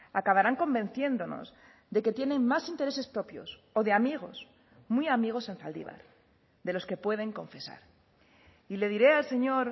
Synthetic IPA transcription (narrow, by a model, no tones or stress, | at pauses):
akaβaɾaŋko̞mbe̞n̟θje̞nd̪o̞no̞̰z | ðe̞ket̪je̞nẽ̞ŋmasint̪eɾe̞sespɾo̞pjo̞̰so̞ðe̞amiɣ̞o̞s | mwiamiɣ̞o̞senfa̰ld̪ḭβ̞a̰ɾ | ðe̞lo̞ske̞pwe̞ð̞e̞ŋko̞ɱfe̞sa̰ɾ | ile̞ð̞iɾe̞alse̞ɲo̞ɾ